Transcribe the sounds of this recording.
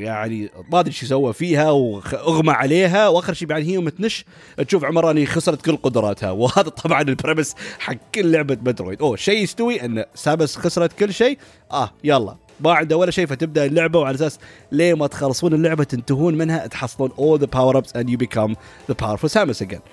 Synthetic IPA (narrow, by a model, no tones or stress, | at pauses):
jaʕnimaːd̪ɾʃjsawːafiːhawʔʊɣmaʕaleːɦawʔaːxəɾʃiːbjaʕnihiːʊmːat̪nɪʃ | ʔt̪ʃuːfʕʊmɑɾˤɑʔɪnːixʊsɾˤɑt̪kɪlːqʊd̪ɾˤɑːt̪ha̰whaːðat̪ˤʰɑbʕɑnɪlbɾemɪsħaɡkːɪllːʊʕbamad̪ɾṵt̪ʔoːʃejːɪst̪ʊwiʔɪnːasaːmɪsxʊsɾˤɑt̪kɪlːʃeː | ʔajaːlˤːɑ̰ː | maʕɪnd̪awːalːaʃeːfat̪ɪb̚d̪aʔlːʊʕbawʕalaʔas̬aːsleːmat̪xɑlːsˤuːnɪlːʊʕbat̪ɪnt̪aɦuːnmɪnhat̪ħɑsˤːluːnʔoːlðəpawəɾˤɑbzʔand̪jubɪkʰam | ðəpʰawɾfɔsaːmɪsaɡɛ̰n